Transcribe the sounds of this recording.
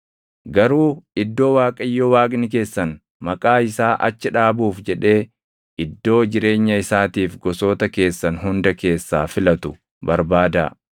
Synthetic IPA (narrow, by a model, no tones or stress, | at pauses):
ɡɐɾuːɪd̪ːo̞ːwaːkʼɐjːoːwaːkʼnɪk̬e̞ːsːɐn | mɐkʼaːɪsaːʔɐt͡ʃːɪᶑaːbuːfd͡ʒɛᶑe̞ː | ʔɪd̪ːo̞ːd͡ʒɪɾe̞ːɲːɐɪsaːt̪iːfɡɔso̞ːt̪ɐke̞ːsːɐnɦʊnd̪ɐke̞ːsːa̰ːfɪlɐt̪ʊ | bɐɾbaːd̪ɐ̰